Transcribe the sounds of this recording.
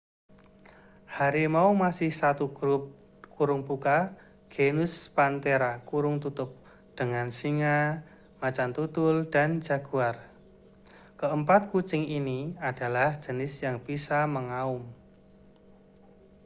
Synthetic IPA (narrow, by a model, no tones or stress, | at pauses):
haɾimaumasɪhsat̪uɡ̥ɾʊp̚ | kuɾʊŋbuka | ɡ̥enʊspant̪eɾakuɾʊŋt̪ut̪ʊp̚ | d̥əŋansiŋa | mat͡ʃant̪ut̪ʊld̥an̥d͡ʒa̤ɡ̥uar | kəəmpat̪̚kut͡ʃɪŋiniad̥a̤lahd͡ʒ̥ə̤nɪsjaŋpisaməŋaʊm